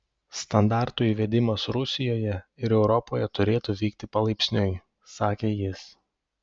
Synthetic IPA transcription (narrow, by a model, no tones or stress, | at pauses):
st̪ɐnd̪ɑˑɾt̪ʊiːʋʲɛd̪ʲɪmɐsɾʊsʲɪjoːjɛɪɾɛʊɾɔpoːjɛt̪ʊɾʲeːt̪uʋʲiːkt̪ʲɪpɐlˠɐɪpʲsʲnʲʊj | sɑːkʲeːjɪs